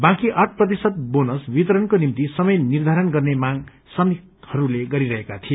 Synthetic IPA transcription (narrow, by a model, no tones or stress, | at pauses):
bãkiʔaʈ̚ʰprʌt̪̬isʌt̪̚bonʌsbit̪ʌɾʌnkonimt̪isʌmʌjnird̪ʱaɾʌnɡʌrnemaɡ | sʌmikhʌɾuleɡʌɾiɾʌɦekat̪ʰie